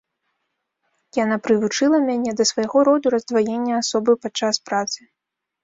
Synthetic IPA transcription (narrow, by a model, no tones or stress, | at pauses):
janapɾɨvut͡ʂɨlˠɐmʲanʲɛd̪ɐsvajɣɔɾɔd̪uɾɐzd̪vajenʲːɐasɔbɨpat͡ʂaspɾat̪sɨ